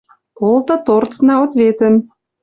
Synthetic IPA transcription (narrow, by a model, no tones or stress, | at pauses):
polˠt̪ɤ̆t̪ort͡snɑot̪βet̪ə̆n